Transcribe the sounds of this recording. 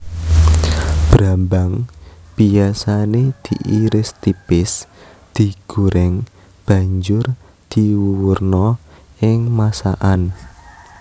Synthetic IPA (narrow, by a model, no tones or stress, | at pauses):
b̥ɾambaŋb̥iasaned̪̥iʔiɾɪst̪ipɪs | d̪̥i̤ɡ̥uɾɪŋ | b̥a̤ɲd͡ʒʊr | d̪̥iwuwurnɔʔɪŋmasa̰ʔan